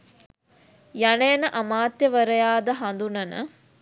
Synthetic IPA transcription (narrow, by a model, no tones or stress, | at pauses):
janɐjənəʔamaːt̪jəʋəɾəjaːd̪əɦand̪unɐnə̰